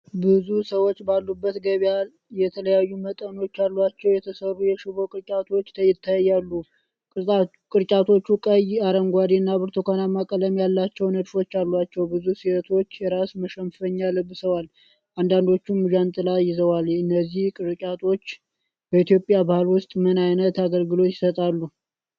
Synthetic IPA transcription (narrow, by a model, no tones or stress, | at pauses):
bɨzusəwo̞t͡ʃːbalːubːət̪ɡəβa | jɛt̪ʰələjajːumət̪ʼəno̞t͡ʃːalːat͡ʃːɛwjɛt̪ʰəsərːujɛʃɪβo̞kʼɨɾt͡ʃʼat̪ʰo̞t͡ʃːt̪ʰəjɪt̪ʰːajjːalːu | kʼɨɾt͡ʃʼat̪ʰo̞t͡ʃːukʼəjaɾəŋɡʷad̪iɨnːaβɨɾt̪ʰokʰanamːakʼələmjalːat͡ʃːɛwnəd̪fo̞t͡ʃːalːwat͡ʃːɛwbɨzusiət̪ʰo̞t͡ʃːjɛɾasməʃəmfəɲːalɨbːɨsəwal | ʔand̪and̪o̞t͡ʃːumːud͡ʒant̪ʼɨlajɪzəwalɨnːəzːihkʼɨɾt͡ʃʼat̪ʰo̞t͡ʃː | b̥əit̪jo̞pʼjabahɨlwʊst̪ʼmɨnajnət̪aɡəlɡɨlo̞t̪jɪ̥sət̪ʼalːu